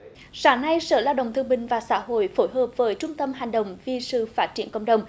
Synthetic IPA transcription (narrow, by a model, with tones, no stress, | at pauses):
saː˨˦ŋna˧jsəː˧˩laː˧wɗə̰˧˨ŋ͡mt̪ɨ˧əŋɓï˨˩ŋ̟vaː˨˩sa̰ː˧˥ɦo̰˧˨jfo˧˦jɦəː˨˩p̚vəː˨˦jt͡ɕʊ˧ŋ͡mt̪ə˧mɦa˨˩ŋ̟ɗə̰˨wŋ͡mvi˨sɨ̰˧˨faː˦˥t̚t͡ɕi˧˩ənkə̰˧˨wŋ͡mɗə˨˩wŋ͡m